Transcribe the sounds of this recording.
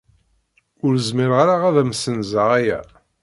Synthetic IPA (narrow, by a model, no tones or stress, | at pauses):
ʊɾəzmiɾʁaɾaʁæðæmsənzaʁæjæ̰